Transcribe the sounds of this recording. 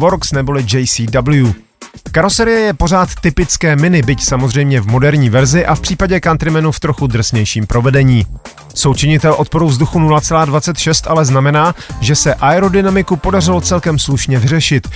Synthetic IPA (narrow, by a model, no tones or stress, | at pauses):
vo̞ɾksnɛbo̞lɪd͡ʒɛjsiːdabl̩ju | kaɾosɛɾɪjɛjɛpo̞r̝aːt̪ːɪpɪt͡skɛːmɪnɪbɪcsamozr̝ɛjmɲɛvmo̞dɛɾɲiːvɛɾzɪʔafpr̝̥iːpaɟɛkant̪ɾɪmɛnuft̪ɾoxud̪r̩sɲɛjʃiːmpɾʔo̞vɛdɛɲiː | so̞wt͡ʃɪɲɪt̪ɛlʔo̞t̪̚poɾuvzduxunulat͡sɛlaːdvat͡sɛt̪ʃɛst̪ʔalɛznamɛnaːʒɛsɛʔaɛɾodɪnamɪkupo̞dar̝ɪlo̞t͡sɛlkɛmsluʃɲɛvɪrɛʃɪt̪